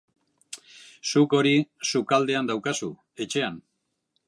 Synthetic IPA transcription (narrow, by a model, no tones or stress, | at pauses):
suko̞ɾisukald̪e̞and̪awkasu | e̞t͡ʃe̞an